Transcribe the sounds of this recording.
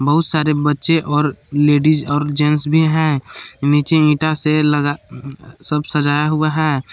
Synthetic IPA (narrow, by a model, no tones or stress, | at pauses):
bɐɦʊt̪saːɾebɐtːʃeʔɔːɾleːɖizɔːɾd͡ʒɛ̃nsbʱiɦɛ̃ːniːt͡ʃeĩːʈaseləɡasəbsɐd͡ʒaːjaɦʊaɦɛː